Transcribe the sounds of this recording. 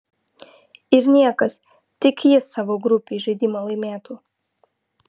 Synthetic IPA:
ɪɾnʲiɛkɐs | t̪ʲɪkjɪsːɑːʋoːɡɾʊpʲeːʒʲɛɪd̪ʲiːmoːlˠɐɪmʲeːt̪uː

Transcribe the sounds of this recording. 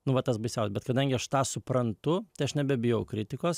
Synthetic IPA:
nʊʋɐt̪ɐsbɐɪsʲɛʊsʲbʲɛt̪kɐd̪ɐŋʲɡʲɪɐʃt̪ɑːsʊpɾɐnt̪ʊt̪ɐɪɐʃnʲɛbʲɛbʲɪjɛʊkɾʲɪt̪ʲɪkoːs

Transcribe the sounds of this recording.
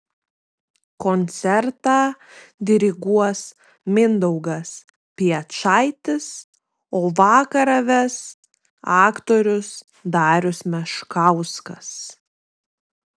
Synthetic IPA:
kɔnʲt̪sʲɛɾt̪ɑːd̪ʲɪɾʲɪɡuɔs | mʲɪnd̪ɔʊɡɐs | pʲiɛt͡ʃɑɪt̪ʲɪs | oːʋɑːkɐɾɐʋʲɛs | ɑːkt̪oːɾʲʊs | d̪ɑːɾʲʊsmʲɛʃkɑʊskɐs

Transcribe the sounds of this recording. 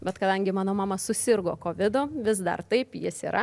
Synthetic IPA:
bʲɛt̪kɐd̪ɐŋʲɡʲɪmɑːnoːmɑːmɐsʊsʲɪrɡoːkoːʋʲɪd̪ʊʋʲɪs̬d̪ɐ̰rt̪ɐɪpjɪsḭːɾɐ

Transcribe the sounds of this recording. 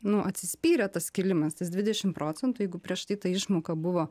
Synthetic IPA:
nʊʔɐt̪ʲsʲɪsʲpʲiːɾʲɛt̪ɐskʲɪlʲɪmɐst̪ɐsdʲʋʲɪd̪ʲɛʃʲɪmpɾoːt͡sʲɛnt̪ʊjɛɪɡʊpʲɾʲiɛʃt̪ɐɪt̪ɐɪʃmoːkɐbʊʋoː

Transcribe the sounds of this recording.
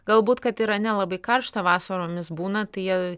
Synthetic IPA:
ɡɐlˠbuːt̪kɐt̪ɪɾɐnʲɛlˠɐbɐɪkɐrʃt̪ɐʋɑːsɐɾoːmʲɪsbuːnɐt̪ɐɪjiɛ

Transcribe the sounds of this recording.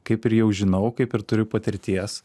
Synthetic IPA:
kɐɪpɪɾjɛʊʒʲɪnɐʊkɐɪpɪɾt̪ʊɾʲɪpɐt̪ʲɪɾʲt̪ʲiɛs

